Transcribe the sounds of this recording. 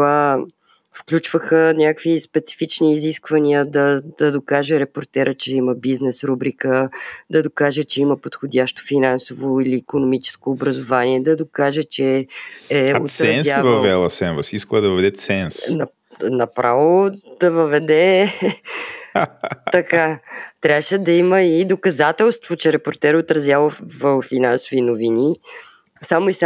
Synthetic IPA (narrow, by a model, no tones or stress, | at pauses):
va | fklʲut͡ʃv̥əxənʲakvispɛt̪si̥fit͡ʃniːziskvənʲiəd̪ɐd̪̥ɐd̪okaʒɛɾɛpoɾt̪ɛɾət͡ʃɛiməbiznɛsɾubɾikəd̪ɐd̪okaʒət͡ʃɛiməpot̪xodʲaʃt̪o̥finansovoiliːkonomit͡ʃɛ̥skoːbɾəzovaniɛd̪ɐd̪okaʒɛt͡ʃɛɛot̪ɾɐɛnsavɐvvɛlˠɐsɛnvəsiskəlˠəd̪ɐvəvɛd̪ɛt̪sɛnsnɐ | nɐpɾavod̪̥ɐvəvɛd̪ɛ | ɐkat̪ɾʲavəʃɛd̪ɐiməid̪okɐzat̪ɛlˠst̪vot͡ʃɛɾɛpoɾt̪ɛɾot̪ɾɐzjavovɐfinansovinovini | samoisa